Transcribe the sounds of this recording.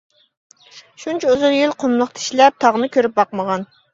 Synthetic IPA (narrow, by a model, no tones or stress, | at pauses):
ʃunt͡ʃʰɛozʊljilˠqʰomlˠəqt̪ʰi̥ʃlɛp̚t̪ʰɑʁnɨkʲʰøɾyp̚bɑqməʁɑn